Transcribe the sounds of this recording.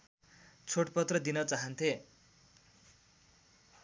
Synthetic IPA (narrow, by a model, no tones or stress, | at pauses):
t͡sʰoʈpʌt̪rʌd̪inʌt͡saɦʌnt̪ʰe